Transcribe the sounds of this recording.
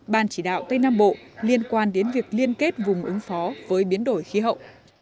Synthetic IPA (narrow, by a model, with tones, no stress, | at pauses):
ɓaː˨˩nt͡ɕi˧˩ɗa̰ː˧˨wt̪ə˧jnaː˧mɓo̰˧˨li˧ənkwaː˧nɗe˨˦nvi˨˩ək̚li˧ənke˦˥t̚vʊ˨˩ŋ͡mʔɨ˨˦ŋfɔ˨˦vəː˨˦jɓi˨˦ənɗo˧˩jxi˨˦ɦə̰˧˨wʔ